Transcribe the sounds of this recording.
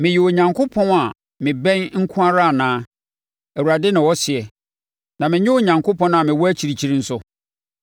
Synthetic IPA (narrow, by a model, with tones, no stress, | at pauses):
mɪ̃˨ji˨o˨ɲã˨ŋkʰo˦pʰɔ̃˦na˨ | mɪ̃˨bɛ̃˦nŋ̩˦kʰũ˦a˦ɾa˦˨nãː˦ | æ˨wu˨ɾa˨dɛ˦nɪ̃˨wɔ˦sɪ˨ɛ˨ | nã˨mɪ̃˨ɲɪ˦o˨ɲã˨ŋkʰo˦pʰɔ̃˦n˦a˨mɪ̃˨wɔ˦æ˦t͡ɕʰi˨ɾi˨t͡ɕʰi˦ɾi˦n̩˦sʊ˦